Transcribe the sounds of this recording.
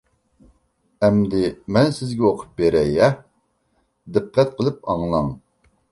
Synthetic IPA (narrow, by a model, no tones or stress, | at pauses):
ɛmd̪ɪmɛnsɪzɡʲɛoqʰʊ̥p̚beɾɛjɛ | d̪ɨqʰːɛt̪̚qʰəlˠɨp̚ɑŋlˠɑŋ